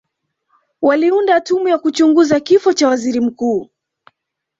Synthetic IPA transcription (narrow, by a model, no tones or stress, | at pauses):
waliundatumujakut͡ʃuŋɡuzakifɔt͡ʃawaziɾim̩kuː